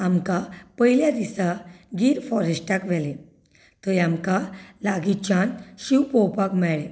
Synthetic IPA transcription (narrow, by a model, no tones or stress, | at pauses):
amkapəɦiljad̪isaɡiːɾfɔɾesʈakʋɛle | t̪əjamkalaɡit͡ɕanɕiwpɔwpakmɛɭe